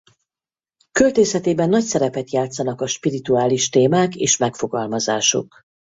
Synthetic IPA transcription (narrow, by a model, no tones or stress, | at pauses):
kølt̪eːsɛt̪eːbɛnːɒcsɛɾɛpɛt̪jaːt̪sɒnɒkɒʃpiɾit̪uaːliʃt̪eːmaːkḛːʃmɛkfo̞ɡɒlmɒzaːʃo̞̰k